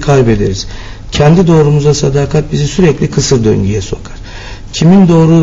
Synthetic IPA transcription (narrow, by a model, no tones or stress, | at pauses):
kʰajbe̞d̪e̞̰ɾiz̥ | cʰɛnd̪id̪o̞ːɾumuzasad̪aːkʰat̪̚bizisyɾɛclʲikʰɯsɯɾd̪ø̰ɲɟyjɛso̞̰kʰaɾ̥ | cʰimind̪o̞ːɾu